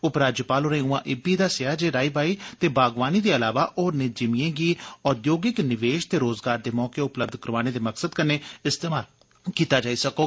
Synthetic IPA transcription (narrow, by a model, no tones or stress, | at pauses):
ʊpɾaːd͡ʒəpaːloːɾəĩuãːʔɪbiːd̪aːsɪjaːd͡ʒeːɾaːiːbaːiːt̪eːbʱaːɡʋaːniːd̪eːəlaːʋaːʔoːɾnɪd͡ʒɪmijẽːɡiːɔːd̪joːɡɪknɪʋeːʃt̪eːɾoːzɡaːɾd̪eːmɔːkeːʊpləb̚d̪ʱkəɾʋaːneːd̪eːməksəd̪kəneːɪst̪eːmaːl | kiːt̪aːd͡ʒaːiːsəkoː